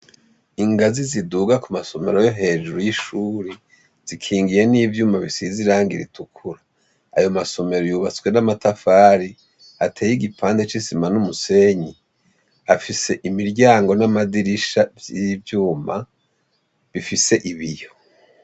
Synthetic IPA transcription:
iŋɡaziziduɡakumaso̞me̞ɾo̞jo̞ɦe̞ːʒuɾujiʃuːɾe | z̥ikʰiːŋɡije̞niːvjuːmaβisiziɾaːŋɡiɾḭtukʰuɾa | ajo̞maso̞me̞ɾojuβat͡swe̞namatafaːɾi | atʰeːjiɡipʰaːndet͡ʃisimanumuse̞ɲi | afise̞ʔimiɾɟaːŋɡo̞namadiɾiʃavjivjuːma | βifise̞ʔiβijo

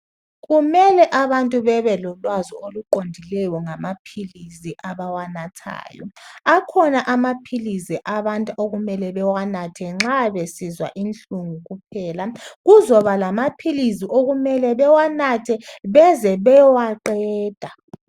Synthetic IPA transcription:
ɣumɛlɛʔaβantʼuβɛβɛlɔlwazɔoluǃondʱilɛjɔŋamapʰiliziʔaβawanatʰa̰ːjɔ̰akʰɔnaʔamapʰilisiʔaβantʼuoɣumɛlɛβɛwanatʰɛŋ͡ǁaβesizwa̰ʔint͡ɬʼuŋuɣup̚ʰɛːlaɣuzɔβalamapʰiliziʔoɣumɛlɛβɛwanatʰɛβɛzɛβɛwaǃɛːd̥ʱa

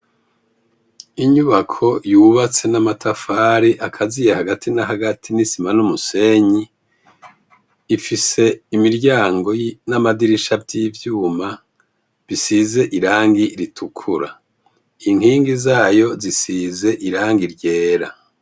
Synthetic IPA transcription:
iɲuβakʰo̞juːβat͡se̞namatʰafaːɾiʔakʰazijehaɡatʰinaɦaɡatʰinisimanumuse̞ɲi | fise̞imiɾɟaːŋɡo̞namadiɾiʃavɟivjuːma | βisize̞ʔiɾaːŋɡiɾitʰukʰuɾa̰ | iŋhiːŋɡizaːjo̞zisize̞ʔiɾaːŋɡiɾɟe̞ːɾa

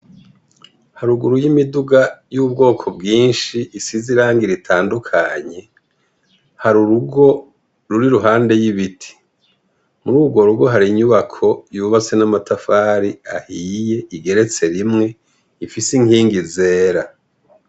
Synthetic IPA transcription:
haɾuɡuɾujimiduɡajuːb̚ɡo̞ːkʰo̞bɡiːnʃiisiziɾaːŋɡiɾitʰaːndukʰaɲe̞ | haɾuɾuɡo̞ | ɾuɾiɾuɦaːnde̞jiβitʰi̥ | muɾuːbɡo̞ɾuɡo̞ɦaɾiɲuβakʰo̞juβat͡se̞namatafaːɾiahiːje̞iɡe̞ɾe̞t͡se̞ɾimŋe̞ | ifisiŋiːŋɡizeːɾa

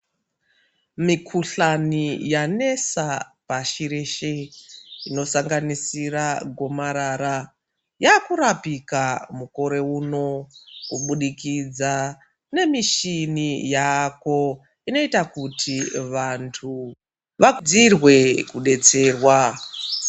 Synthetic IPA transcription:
mikʰuɬanijane̞sapaʃiɾeʃeino̞saŋɡanisiraɡʱo̞maɾaːɾa | jaːkuɾapikamuko̞ɾe̞uːno̞kuɓuɗikid͡za | ne̞miʃinijako̞ | ino̞itakutʰiʋantʰu | ʋakud͡zirwe̞kuɗe̞t͡se̞ːrwa

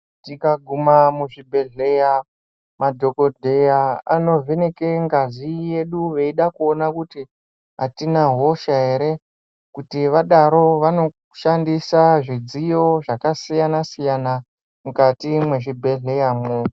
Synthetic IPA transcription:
tikaɡʱumamuʐibʱe̞ɮe̞ja | madʱo̞ko̞dʱejaano̞vʱeneke̞ŋɡazije̞ɗuʋe̞iɗakuonakuti | ɦatinaɦo̞ʃaɦe̞ɾe̞ | kutiʋaɗaɾo̞ʋano̞ | ʃandisaʐid͡zijo̞ʐakasijanasijana | mukatimwe̞ʐibʱe̞ɮe̞jamo

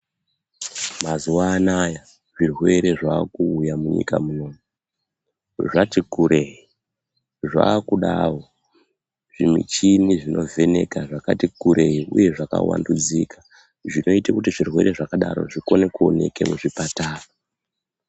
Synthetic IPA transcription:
mazuwaːnaja | ʐirwe̞ɾe̞ʐaːkuːjamuɲḭka̰muno̞ːmu | ʐatikuɾeɦi | ʐa̰ːkuɗawo | ʐ̥imḭt͡ʃiniʐino̞vʱe̞ne̞̰kaʐakatikuɾe̞ɦiṵje̞ʐaka̰wa̰ndud͡ziːkʰḁ | ʐino̞itakutiʐirwe̞̰ɾe̞ʐakaɗa̰ɾo̞̰ʐiko̞nekuo̞̰ne̞̰ke̞̰muʐipataːra

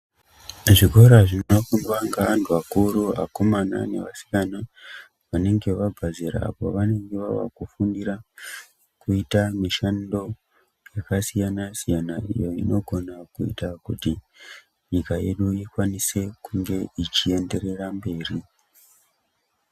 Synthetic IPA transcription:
ʐiko̞ɾaʐinnofumʋaŋɡaʋantʰuʋakuɾua̰ko̞mana̰ne̞̰ʋasi̥kana | ʋane̞ŋɡe̞ʋaɡʱazeɾa̰ːpo̞̰ʋane̞ŋɡe̞ʋaʋa̰kufundira | kuitamiʃando̞ | jakasijanasijanaḭjo̞ḭno̞ɡʱo̞nakuḭtakuti | ɲikaje̞̰ɗuikwanise̞kuŋɡe̞it͡ʃie̞nde̞re̞rambe̞ːri

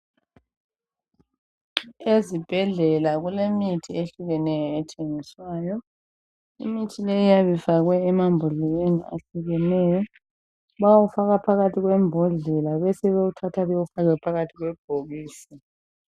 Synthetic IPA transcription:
ezib̥ʱɛɮɛlaɣulemitʰieɬuɣɛnɛjɔɛtʰeŋiswaːjɔ | ḭmitʰilejijaβifaɣwɛːmambʱɔɮɛjenia̰ɬiɣɛnɛjɔ | βawufaɣapʰaɣatʰiɣwɛmbʱɔɮɛlaβɛsɛβeutʰatʰaβɛufaɣwɛpʰaɣatʰiɣwɛb̥ʱoɣiːsi

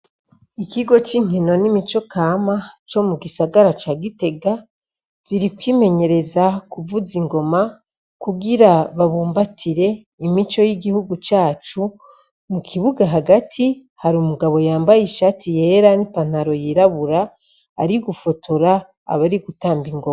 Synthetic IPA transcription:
ikiɡo̞t͡ʃiːŋino̞nimit͡ʃo̞kʰaːmat͡ʃo̞muɡisaɡaɾat͡ʃaːɡite̞ɡa | z̥iɾikwiːme̞ɲe̞ɾe̞zakuvuziŋɡo̞ma | kuɡiɾaβaβuːmbatʰiɾe̞ | imit͡ʃo̞jiɡihuɡut͡ʃaːt͡ʃu | mukʰiβuɡaɦaɡatʰihaɾumuɡaβo̞jaːmbajiʃaːtʰije̞ɾanipan̥aɾo̞jiɾaβuɾa̰ː | ɾiɡufo̞tʰoɾa̰ː | βaɾiɡutaːmbiŋɡoa

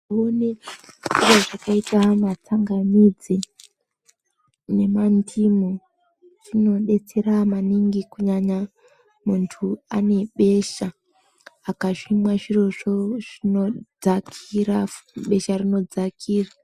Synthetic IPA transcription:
oneiro̞ʐakaitamat͡saŋɡamid͡zi | ne̞mantʰimo | rino̞ɗe̞t͡se̞ɾamaniŋɡikuɲaɲa | muntʰuane̞ɓe̞ʃaː | kaʃimwaʐiroʐoʐ̥inod͡zakʰiraɓe̞ʃarino̞d͡zakʰiːra

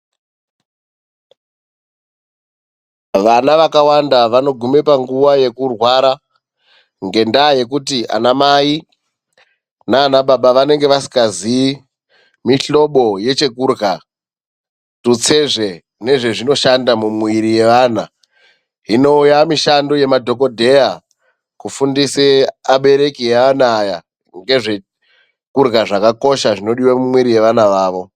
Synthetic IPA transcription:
ʋanaʋakawandaʋano̞ɡʱume̞paŋɡuʋaje̞kurwaɾa | ŋɡe̞ndaːje̞k̬utiʔa̰namai | naːnaɓaɓaʋane̞ŋɡe̞ʋasi̥kazi | miɬo̞ɓo̞je̞t͡ʃe̞kurɡa | tut͡se̞ʐe̞ | ne̞ʐe̞ʐino̞ʃandamumwiɾije̞ʋana | ɦino̞ujamiʃandoje̞madʱo̞ko̞dʱe̞ja | kufundiseaɓe̞ɾe̞kiaʋanaːja | ŋɡe̞ʐe̞ | kurɣaʐakako̞ʃaʐino̞ɗiwamumwiɾije̞ʋanaʋaːʋo̞

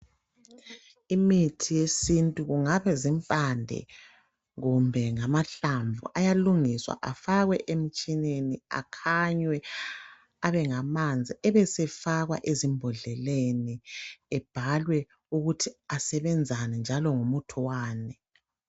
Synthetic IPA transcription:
imitʰijesintʼuɣuŋaβɛzimpʼandʱɛ̰ | ɣumbʱɛŋamaɬaɱvʱṵʔajaluŋiswa̰ʔafaɣwɛʔem̩t͡ʃʼinenia̰kʰaɲwɛ | aβɛŋamand͡zʱiɛβɛsɛfaɣwa̰ʔezimbʱɔɮɛleniɛb̥ʱalwɛ | uɣutʰiasɛβɛnd͡zʱanɛnd͡ʒʱalɔŋumutʰuwaːnɛ

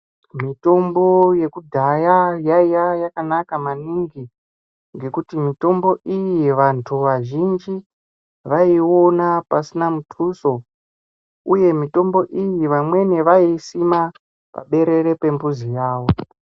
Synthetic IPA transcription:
mito̞mbo̞je̞kudʱajajaijajakanakamaniŋɡi | ŋɡe̞kutimito̞mbo̞ʔijiʋantʰuʋaʒind͡ʒi | ʋaio̞napasinamutʰuso̞ | uje̞mito̞mbo̞ʔijiʋamwe̞neʋaisima | pa̰ɓe̞ɾe̞ɾe̞pe̞mbuzijaːwo̞

